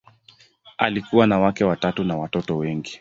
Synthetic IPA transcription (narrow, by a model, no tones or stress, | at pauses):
a̰likuwanawakɛwatatunawatɔtɔwɛŋɡi